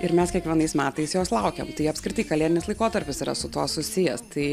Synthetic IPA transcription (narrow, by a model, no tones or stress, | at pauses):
ɪɾmʲɛskʲiɛkʋʲiɛnɐɪsmʲæːt̪ɐɪsjoːslˠɐʊkʲɛ̰mt̪ɐɪɐpʲskɾʲɪt̪ɐɪkɐlʲiɛnʲɪnʲɪslˠɐɪkoːt̪ɐɾʲpʲɪsiɾɐ̰sʊt̪oːsʊsʲɪjɛst̪ɐɪ